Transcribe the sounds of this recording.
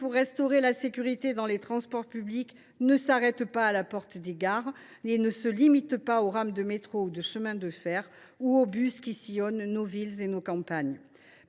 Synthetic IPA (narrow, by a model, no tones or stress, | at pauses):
puʁːɛ̃st̪ɔʁelasekʲyʁit̪ed̪ɑ̃let̪χɑ̃spɔʁpyblik | nəsaʁɛt̪paːlapɔʁt̪əd̪eɡaʁ | enəsəlimit̪paoʁamd̪əmet̪χoud̪əʃəmɛ̃d̪əfɛʁ | uobyskʲisijɔnːovilzenokɑ̃paɲ